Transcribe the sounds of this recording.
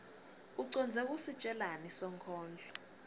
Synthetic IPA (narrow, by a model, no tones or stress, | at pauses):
uǀɔnd͡zʱɛk̬ʼusi̥t͡ʃʼɛlanisɔŋkʰɔːnd͡ɮʱɔ